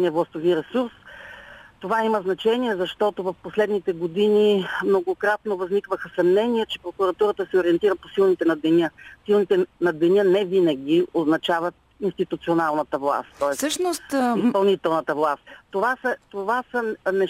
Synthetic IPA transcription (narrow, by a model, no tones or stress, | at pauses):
iɛvlˠɐst̪oviɾɛsuɾs | t̪ovaiməznɐt͡ʃɛniɛzɐʃt̪ɔt̪ovɐfposlɛd̪nit̪ɛɡod̪inimnoɡokɾat̪novɐznikvəxəsɐmnɛniɛt͡ʃɛpɾokuɾɐt̪uɾət̪əsɛoɾiɛnt̪iɾəposilˠnit̪ɛnɐd̪ɛnʲəsilˠnit̪ɛnɐd̪ɛnʲənɛvinɐɡʲioznɐt͡ʃavət̪ | inst̪it̪ut̪sionalˠnɐt̪əvlˠa̰st̪ʲt̪ɔɛssəʃnosispɐlˠnit̪ɛlˠnət̪əvlˠast̪ʲt̪ovasət̪ovasənɛ